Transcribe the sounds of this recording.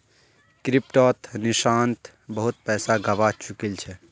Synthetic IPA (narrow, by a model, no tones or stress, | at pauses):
kɾip̚ʈot̪niʃant̪ | bəɦut̪̚pɛːsaɡəbat͡ʃukelt͡ʃʰɛ